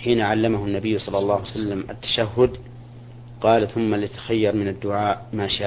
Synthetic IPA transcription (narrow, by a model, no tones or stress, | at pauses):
ħiːnaʕalːamahʊnːabɪjːsˤɑlːɑlˤːɑːhsalːamʔa̰t̪ːḁʃaɦːʊd̪ | qɑːlθʊmːalɪt̪ḁxajːɑɾˤmɪnad̪ːʊʕaːʔmaːʃaː